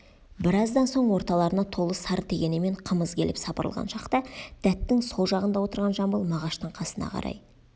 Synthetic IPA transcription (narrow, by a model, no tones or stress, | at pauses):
bɪɾɑzd̪ɑnso̞ɴwo̞ɾt̪ɑlˠɑɾənɑt̪ʰo̞lˠəsɑɾt̪ʰe̞ɡʲe̞nɪme̞ɴqʰəməzkʲʰe̞lɪ̰psɑpəɾəlˠʁɑ̰nʃɑqt̪ɑd̪̥æt̪ːɪŋsolˠʒɑʁənd̪ɑwo̞t̪əɾʁɑnʒɑmbəlˠmɑʁɑʃt̪əɴqʰɑsənɑ̰qʰɑ̰ɾɑ̰j